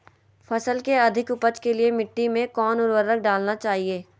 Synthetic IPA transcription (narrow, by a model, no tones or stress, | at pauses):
fʰɐsəlkeɐd̪ʱɪkʊpəd͡ʒkeliemɪʈːimẽkɔːnʊɾʋəɾək̚ɖaːlnat͡ʃaːɦieː